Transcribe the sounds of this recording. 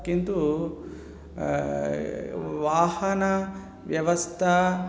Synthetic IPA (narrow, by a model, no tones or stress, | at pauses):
kint̪u | ʋaːhɐnɐ | ʋjɐʋɐst̪ʰɐ